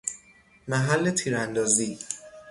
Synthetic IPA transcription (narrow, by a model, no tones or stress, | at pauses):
mæɦælːe̞t̪ʰiːɾænd̪ɒːziː